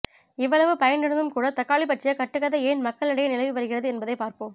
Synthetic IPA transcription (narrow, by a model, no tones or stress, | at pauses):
ɪʋːɐɭɐʋɯpɐjɐnɪɽɐnd̪ɯmkuːɽɐt̪ɐkːaːɭip̬ɐʈrɪjɐkɐʈːɯɣɐðɐeːnmɐkːɐɭɪɽɐjɐnɪlɐɪʋɯʋɐɾɯɣɪrɐðɯɛnbɐðɐɪpaːɾpoːm